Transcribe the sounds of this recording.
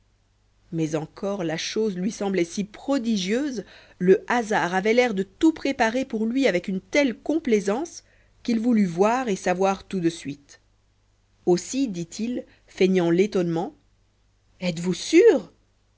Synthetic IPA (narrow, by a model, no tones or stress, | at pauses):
mɛzɑ̃kʰɔʁlaʃozlɥisɑ̃blɛsipχɔd̪iʒjøːz | ləʔazaʁavɛlɛʁd̪ət̪upχepaʁepuʁlɥiavɛkynt̪ɛlkɔ̃plɛzɑ̃s | kʲilvulyvwaʁesavwaʁt̪ud̪əsɥit̪ | osid̪it̪ʰil | feɲɑ̃let̪ɔnmɑ̃ | ɛt̪vusyːʁ